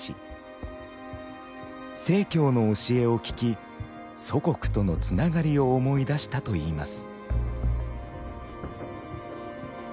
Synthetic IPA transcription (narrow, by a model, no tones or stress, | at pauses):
ḭ | se̞ːkʲo̞ːno̞ːɕie̞o̞kʲi̥kʲi | so̞ko̞kɯ̟̥t̪o̞no̞t͡sɨnaɡaɾʲio̞ːmo̞id̪aɕi̥t̪at̪o̞iːma̰sɨ̥